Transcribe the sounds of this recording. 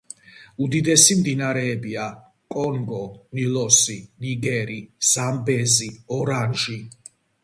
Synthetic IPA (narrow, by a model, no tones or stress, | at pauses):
ud̪id̪ɛsimd̪inaɾɛːbia | kʼɔŋɡɔnilɔsiniɡɛɾiz̥ambɛziɔɾanʒi